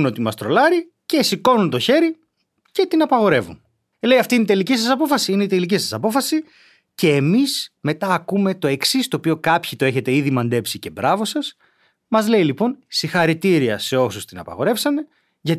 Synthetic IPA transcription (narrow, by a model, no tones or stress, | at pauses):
not̪imɐst̪ɾo̞lɐɾi | ce̞siko̞nunt̪o̞çe̞ɾi | ce̞t̪inɐpɐɣo̞ɾe̞vṵn | le̞jɐft̪ineit̪elicisɐsɐpo̞fɐsiineit̪e̞licisɐsɐpo̞fɐsi | ce̞ːmisme̞t̪ɐːkume̞t̪o̞e̞ksist̪o̞ːpio̞kɐpçit̪o̞e̞çe̞t̪e̞iðimɐnd̪e̞psice̞bɾɐvo̞sɐs | mɐzle̞ilipo̞nsixɐɾit̪iɾiɐ̰se̞o̞sust̪inɐ̰pɐ̰ɣo̞ɾe̞fsɐne̞ | ʝɐt̪